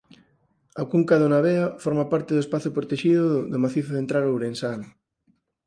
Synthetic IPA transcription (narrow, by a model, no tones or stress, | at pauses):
akuŋkaðonaβeafɔɾmapaɾt̪eðoespaθopɾot̪eʃiðʊðʊmaθiθoðent̪ɾalowβɾensaŋ